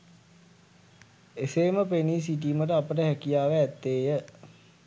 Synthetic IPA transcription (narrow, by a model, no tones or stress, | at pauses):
eseːməpeniːs̬iʈ̬iːməʈ̬əapəʈəɦækijaːʋeːt̪ːeːjə